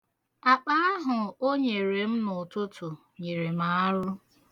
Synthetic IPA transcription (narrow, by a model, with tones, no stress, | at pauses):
a˨k͡pa˦a˦ɦʊ˨o˦ɲe˨ɾe˨m̩˦nʊ˨tʊ˦tʰʊ˨ | ɲi˨ɾe˨ma˨a˦ɾʊ˦